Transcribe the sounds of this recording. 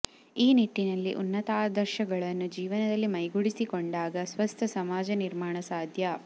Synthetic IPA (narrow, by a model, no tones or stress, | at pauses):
iːniʈːinɐlːiʔunːɐt̪aːd̪ʱɐɾʃɐɡɐɭɐnːud͡ʒiːʋɐnɐd̪ɐlːimɐjɡuɽisikoɳɖaːɡɐsʋɐst̪ʰɐsɐmaːd͡ʒɐniɾmaːɳɐsaːd̪ʱjɐ